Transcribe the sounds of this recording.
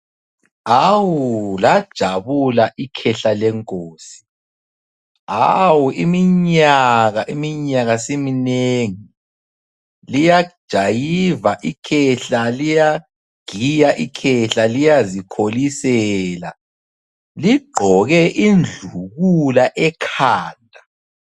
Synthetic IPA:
awulad̥ʒ̥ʱaβulaʔikʰɛɬalɛŋkʼoːsi̥ | awuimiɲaɣaʔimiɲaɣasemineŋi | lijad̥ʒ̥ʱajivaʔikʰɛɬalija | ɡ̥ʱijaʔikʰɛɬalijazikʰolisɛla | liɡ͡ǃʱɔɣɛʔind͡ɮʱuɣulaʔɛkʰaːndʱa

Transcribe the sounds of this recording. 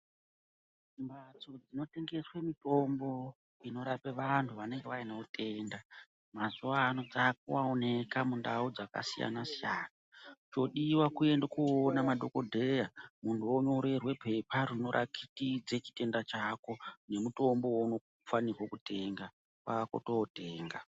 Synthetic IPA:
imbat͡so̞d͡zino̞te̞ŋɡe̞swemito̞mbo̞ | ino̞ɾapeʋantʰuʋane̞ŋɡe̞ʋainautʰe̞nda | mazuaːno̞d͡zakuwaone̞kamundaud͡zaka̰sija̰nasijaːnat͡ʃo̞ɗiwakue̞ndakuonamadʱo̞ko̞dʱe̞jamuntʰuwoɲo̞ɾe̞rwe̞pʰe̞paɾino̞ɾʔa̰kʰitid͡ze̞t͡ʃi̥te̞ndat͡ʃako̞ne̞muto̞mbo̞wono | fanirwokute̞ːŋɡa | paako̞̰toote̞ːŋɡa

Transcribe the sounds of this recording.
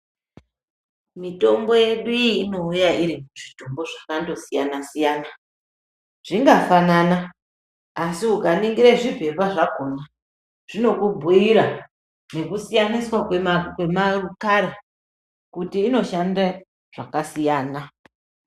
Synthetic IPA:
mito̞mbo̞je̞ɗuiːno̞ujaiɾimuʐitombo̞ʐakando̞sijanasijaːna | ʐ̥iŋɡafananaː | siukaniŋɡiɾeʐivʱe̞βaʐaɡʱo̞na | ʐ̥ino̞kubʱuiɾa | ne̞kusijaniswakeakwe̞marukaɾa | kutiːno̞ʃanda | ʐ̥akasijaːna

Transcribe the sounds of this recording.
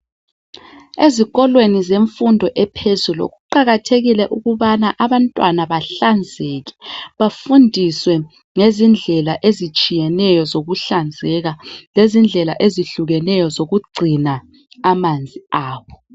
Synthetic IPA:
eziɣɔlwenizeɱfundʱɔʔɛpʰezulɔ̰ɣuǃaɣatʰeɣilɛʔuɣuβanaʔaβantʼwanaβaɬand͡zʱeɣɛ̥βafundʱiswɛ | ŋezind͡ɮʱɛlaʔezit͡ʃʼijɛnɛjɔzoɣuɬand͡zʱɛɣalezind͡ɮʱɛlaʔeziɬuɣɛnɛjɔzoɣuɡ͡ǀʱina | amand͡zʱiaːβɔ

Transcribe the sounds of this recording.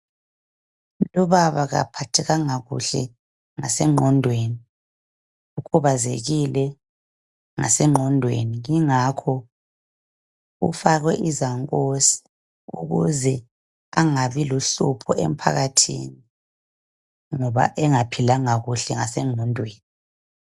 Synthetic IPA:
lɔβaβaɣa̰pʰatʰɛɣaŋaɣṵɬɛ | ŋa̰sɛŋ͡ǃʱɔndʱweːni | ukʰuβazḛɣilɛ | ŋa̰sɛŋ͡ǃʱɔndʱwḛniŋiŋakʰɔ | ṵfaɣwɛʔizaŋkʼosi̥ | ṵɣuzɛ | aŋaβiloɬupʰɔʔem̩pʰa̰ɣatʰḭni | ŋɔβa̰ʔɛŋapʰilaŋaɣuɬɛŋasɛŋ͡ǃʱɔndʱweːni

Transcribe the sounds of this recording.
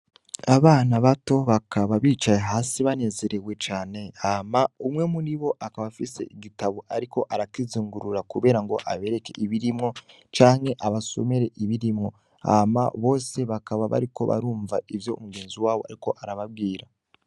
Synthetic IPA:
aβaːnaβato̞βakʰaβaβiːt͡ʃajeɦaːsiβane̞ze̞ɾe̞we̞t͡ʃaːne̞amaumŋe̞muniβo̞ʔakaβafise̞̰ʔiɡitaβoʔaɾiko̞ʔaɾakiziːŋɡuɾuɾakuβe̞ːɾaŋɡo̞ʔaβe̞ɾe̞ke̞̰ʔiβiɾimŋo̞ | t͡ʃaːŋhe̞ʔaβaso̰meɾe̞ʔiβiɾimŋo̞ | a̰ma̰βo̞ːse̞βakaβaβa̰ɾiko̞̰βa̰ɾuːɱva̰ʔivjoumuɡe̞ːnziwaːβo̞a̰ɾiko̞ʔaɾaβaβ̚ɡiːɾa

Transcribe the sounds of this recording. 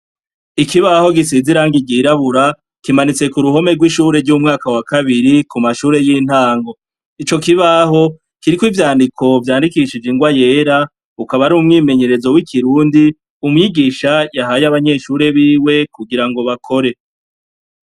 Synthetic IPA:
ikiβaho̞ɡisiziɾaŋɡiɡiɾaβuɾa | kimanit͡se̞kuɾuɦo̞me̞ɾɡwiʃuːɾe̞ɾɟumŋaːkawakaβiɾikumaʃuːɾe̞jiːn̥haːŋɡo̞ | it͡ʃo̞kiβaɦo̞ | kiɾikwivjaːndikʰo̞vjaːndikiʃid͡ʒeŋɡwaje̞ːɾa | ukaβaɾuːmŋiːme̞ɲe̞ɾe̞zo̞wikʰiɾuːndi | umŋiːɡiːʃajaɦaːjaβaɲe̞ʃuːɾe̞βiːwe̞kuɡiɾaŋɡo̞βakʰo̞ɾe̞

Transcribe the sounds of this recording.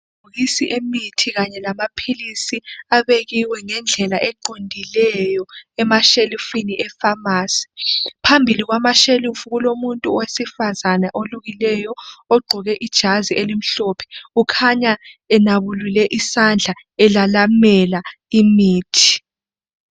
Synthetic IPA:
uɣisiʔemitʰiɣaɲɛlamapʰilisiaβeɣiwɛŋɛnd͡ɮʱɛlaʔɛǃondʱilɛjɔɛmaʃelufiniʔɛfamaːsi̥pʰambʱiliɣwamaʃelufuɣulomuntʼuwesifazanaʔoluɣilɛjɔoɡ͡ǃʱuɣɛʔid̥ʒ̥ʱazielim̩ɬɔpʰɛ̥ukʰaɲaɛnaβululɛʔisand͡ɮʱa | ɛlalamɛlaimiːtʰi̥

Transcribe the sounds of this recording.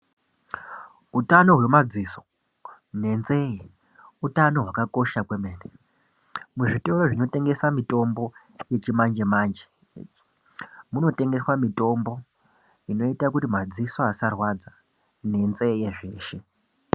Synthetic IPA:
utano̞ɦwe̞mad͡ziso̞̥ | ne̞nze̞je | utano̞ɦwakako̞ʃakwemeːne | muʐitoɾoʐino̞te̞ŋɡe̞samito̞mbo̞ | je̞t͡ʃimand͡ʒe̞maːnd͡ʒe̥ | muno̞te̞ŋɡe̞swamito̞mbo̞ | ino̞itakutimad͡ziso̞asarwad͡za | ne̞nze̞jeʐe̞ːʃe

